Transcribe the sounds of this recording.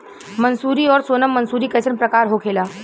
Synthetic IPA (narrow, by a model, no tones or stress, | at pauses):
mənsuːɾiɔːɾsoːnəmːənsuːɾiːkət͡ʃənpɾəkaːɾɦokʰeːlaː